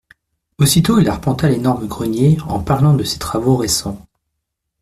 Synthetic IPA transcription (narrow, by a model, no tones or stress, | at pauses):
osit̪oilaʁpɑ̃t̪alenɔʁməɡʁənjeɑ̰̃paʁlɑ̃d̪əse̥t̪χavoʁesɑ̃